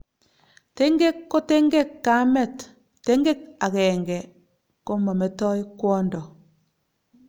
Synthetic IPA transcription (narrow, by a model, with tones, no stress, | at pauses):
te˦ŋɡe˦kːo˦te˦ŋɡe˦kːa˨˦mɛ˦˨tː | e˦ŋɡe˦k̚a˨kɛ˨ŋɡɛ˨ | ko˦mɔ˨me˨tɔ˦jkwɔ˦ndɔ˨